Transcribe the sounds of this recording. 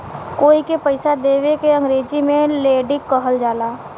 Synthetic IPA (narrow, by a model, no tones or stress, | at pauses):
koːikepəɪsad̪eːʋekeə̃ŋɡɾeːd͡ʒimẽleːɖɪkːəɦəld͡ʒaːlaː